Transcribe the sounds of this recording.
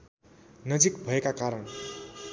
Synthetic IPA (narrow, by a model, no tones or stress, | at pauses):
nʌd͡zikbʱʌekakaɾʌn